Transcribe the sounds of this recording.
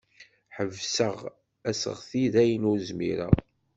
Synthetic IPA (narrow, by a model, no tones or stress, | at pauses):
ħəvsəʁ | æsə̰ʁθiðæjənʊɾzmḭɾæ̰